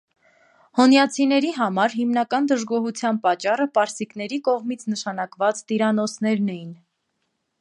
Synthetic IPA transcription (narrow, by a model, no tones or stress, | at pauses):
hɔnjɑt͡sʰinɛɾiɦɑmɑɾɦimnɑkɑnd̪əʒɡɔɦut͡sʰjɑnpɑt͡ʃːɑrəpɑɾsiknɛɾikɔʁmit͡sʰnəʃɑnɑkvɑt͡st̪iɾɑnɔsʰnɛɾnɛjin